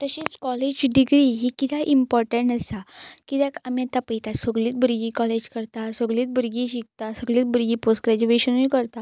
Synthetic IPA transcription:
t̪əɕiːt͡skɔled͡ʑɖiɡɾiɦikit̪ʰaʔimpɔɾʈə̃ɳʈəsakit̪ɛ̃kamĩat̪apəjt̪asəɡliːt̪̚bəɾɡiːkɔled͡ʑkəɾt̪asəɡɭliːt̪̚bəɾɡiɕik̚t̪asəɡliːt̪̚bəɾɡiːposʈɡɾad͡ʑuʋeɕənuikəɾt̪a

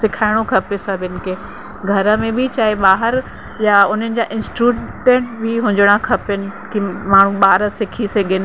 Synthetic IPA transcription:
sɪkʰaːɪɽ̃okʰɐpesɐbʱɪnɪ̆kʰeː | ɡʱɐɾə̆mẽbʱit͡ɕaːeɓaːɦəɾ | jaʊn̤ənɪ̆d͡ʑaːʔɪ̃nsʈɾuːɖẽːɳʈbɪɦʊ̃ɲd͡ʑəɽ̃akʰɐpənɪ̆kimaːɳ̤ũɓaːɾəsɪkʰiseɡɪnɪ

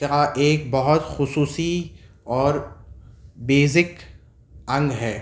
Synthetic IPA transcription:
aʔeːk̚bɐɦʊt̪xʊsuːsi | ɔːɾ | beːzɪk | ɐ̃ŋɡɦɛː

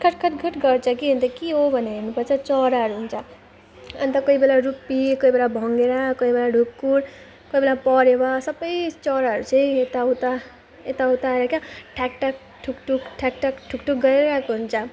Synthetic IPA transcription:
kʰʌʈkʰʌʈɡʰʱʌʈɡʌɾt͡sʰʌkiɦʌnt̪ʌkiɦobʱʌneeɾnupʌɾt͡sʰʌt͡sʌɾaɦʌɾuɦunt͡sʰʌ | ʌ̰nt̪ʌkoibelaɾupːikoibelabʱʌŋɡeɾakʌibelaɖʱukːuɾ | koibelapʌɾebasʌbʌjt͡sʌɾaɦʌɾut͡sʌĩet̪aɦut̪a | et̪aɦut̪aeɾʌkjaʈʰakʈak̚ | ʈʰukʈukʈʰakʈakʈʰukʈuk̚ɡʌɾeɾʌkoɦunt͡sʰʌ

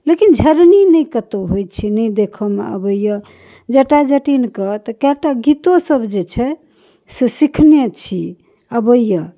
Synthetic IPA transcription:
lekind͡ʒʱəɾninəjkət̪oɦojt͡ʃʰinɛjd̪ekʰəmḛə̰bəjə | d͡ʒəʈad͡ʒəʈinkət̪əkaʈaɡit̪osəbd͡ʒet͡ʃʰɛ | sesikʰnjət͡ʃʰi | əbəjə

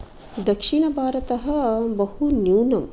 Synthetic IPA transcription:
d̪ɐkʂiɳɐbʱaːɾɐt̪ɐɦɐ̆bɐhunjuːnɐm

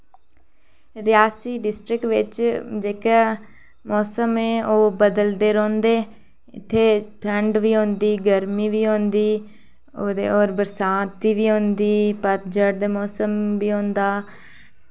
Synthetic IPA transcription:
ɾɪjaːsiːɖɪsʈɾɪkʋɪt͡ʃd͡ʒeːkː | mɔːsəmeːʔoːbəd̪əld̪eːɾɔ̃ːnd̪eː | ɪt̪ʰːeːʈʰəɳɖʋiːɦõːnd̪iːɡəɾmiːʋiːɦõːnd̪iː | oːd̪eːɔːɾbəɾsãːt̪iːʋiːɦõːnd̪iːpət̪d͡ʒəɾd̪eːmɔːsəmʋiːõːnd̪aː

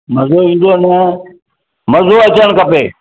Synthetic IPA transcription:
mɐzoʋĩːn̆d̪onə | mɐzoɐt͡ɕəɽ̃kɐpeː

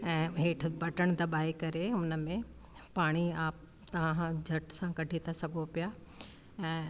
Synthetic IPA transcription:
ɛ̃ːɦeːʈʰbʱɐʈəɽ̃d̪ɐbaːikɐɾeʊnəmẽ | paːɽ̃iaːp | t̪ɐʋ̤ãd͡ʑʱɐʈsãkɐɖʱit̪ʰasɐɡʱopija | ɛ̃ː

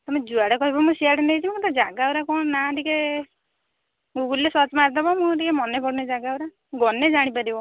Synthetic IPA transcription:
t̪ɔmed͡ʒuaɽakɔibɔmũsiaɽɔnet͡ʃʰikɔt̪ɔd͡ʒaɡawɾakɔnnaʈike | ɡuɡulːesɔt͡ʃmaɾt̪abɔmũʈikemɔnepɔɽned͡ʒaɡawɾa | ɡɔned͡ʒaɽ̃ipaɾibɔ

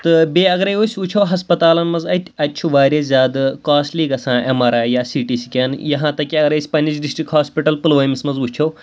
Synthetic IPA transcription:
t̪ɨbʲeːɐɡɾɐjosʲut͡ʃʰɐwɦɐspɐt̪aːlɐnmɐzɐit̪ʲʰɐtʲːt͡ʃʰuʋaːɾʲezʲaːd̪kaːsʈliːɡɐsãːʔemɐɾaːjaːsiːʈisi̥kʲaːnjɐɦãːt̪ɐkːiɐɡɾɐsʲpɐnid͡ʒɖisʈɾikɦaːspiʈɐlpɨlʋɐːjmʲismɐzut͡ʃʰɐw

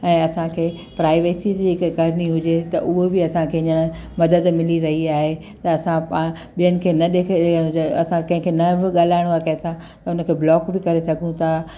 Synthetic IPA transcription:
ɛ̃ːɐsãkʰeː | pɾaːɪʋeːsiiɪkkɐɾɪniɦʊd͡ʑet̪ɐʔʊɦobɪɐsãkʰeːɲəɽ̃mɐd̪əd̪mɪliɾɐɦiaːɦe | t̪ɐɐsãpa | ɓijənɪ̆kʰeːnɐɗeːkʰɐsãkɐ̃ɦɪ̃kʰenɐʋɪɠaːlaːɪɽ̃oaːkɐ̃ɪ̃sã | t̪ɐʊnə̆kʰeːblɔːkbɪkɐɾesɐɡʱũt̪ʰa

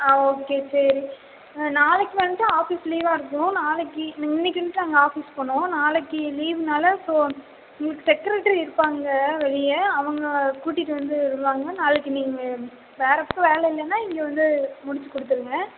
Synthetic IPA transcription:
oːkeːsɐɾi | naːlɯkːɯʋɐnːɐʈːaaːfisliːʋaːɪɾɯkːɐʊ̃naːlɯkːɯniŋɡɐɪnːɪk̬ːɪɳːɯʈːɯnɐŋɡɐaːfispɐɳːʊ̃naːlɯkːɯliːʋnaːlɐsoː | ʊŋɡɐɭɯkːɯsɛkːɪɾeʈːɐɾiɪɾɯpːaːŋɡɐʋɛɻɪjɐɐʋɐŋɡɐkuːʈːɪʈːɯʋɐnd̪ɯɪɾɯpːaːŋɡɐnaːlɯkːɯniːŋɡɐ | ʋeːɾɐpːõʋeːlɛɪlːɛnːaːɪŋɡeʋɐnd̪ɯmʊɽɪt͡ʃːɯkɔɽɯt̪ːɯɾɯŋɡɐ

